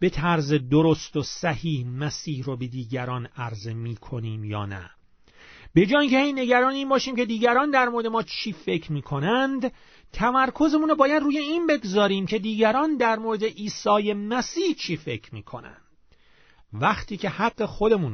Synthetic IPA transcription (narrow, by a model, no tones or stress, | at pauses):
b̥e̞t̪ʰæɾze̞d̪oɾo̞st̪osæhiːhmæsiːhrobe̞d̪iːɟæɾɒːnæɾze̞miːkʰo̞niːmjɒ̰ːnæ̰ | b̥e̞d͡ʒɒːjiŋcʰehe̞jne̞ɟæɾɒːneiːnbɒːʃiːmcʰe̞d̪iːɟæɾɒːnd̪æɾmoɾd̪emɒːt͡ʃʰiːfe̞cʰɾmiːkʰo̞nænd̪ | t̪ʰæmæɾkʰo̞zemunɾobɒːjæd̪ruːje̞iːnbe̞ɡzɒːɾiːmcʰe̞d̪iːɟæɾɒːnd̪æɾmoɾe̞d̪e̞ʔiːsɒːje̞mæsiːht͡ʃʰiːfe̞kʰɾmiːkʰo̞̰næ̰nd̪̥ | væxt̪ʰiːcʰe̞hæɡːe̞xo̞d̪e̞muːn